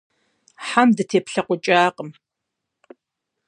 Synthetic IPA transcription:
ħamdɨtʰeːpɬɐqʷʊt͡ʃʼaːqʼəm

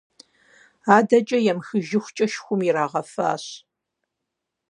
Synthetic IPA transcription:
aːdɐt͡ʃʼɐjɛmxɨʒɪxʷt͡ʃʼɐʃxʷʊmiɾaːʁɐfa̰ːɕ

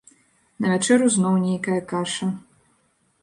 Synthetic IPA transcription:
nɐvʲat͡ʂɛɾuznɔwnʲejkɐjɐkaʂɐ

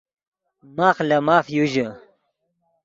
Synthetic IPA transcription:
maːxlɐmaːfjuʑə

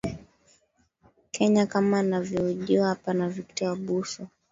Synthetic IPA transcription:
kʰɛɲakamaːnavjɔuʄiahapanaviktaaɓusɔ

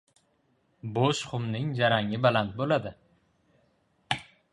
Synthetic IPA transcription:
boʃχʊmnɪŋd͡ʒaɾaŋɪbalant̪̚bolad̪ɪ

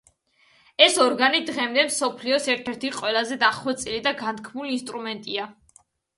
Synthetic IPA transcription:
ɛsɔɾɡanid̪ʁɛmd̪ɛmsɔpʰliɔsɛɾt̪ʰɛɾt̪ʰiqʼwɛlˠazɛd̪aχwɛt̪sʼilid̪aɡant̪̚kʰmuliːnst̪ʼɾumɛnt̪ʼia

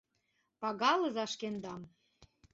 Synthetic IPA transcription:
pɑɣɑlɤ̆zɑʃkend̪ɑm

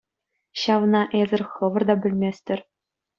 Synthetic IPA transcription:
ɕɑʋnɑʔezʲɘ̆rʲχɤ̆ʋɤ̆rd̪ɑbʲɘ̆lʲmʲesʲtʲɘ̆rʲ

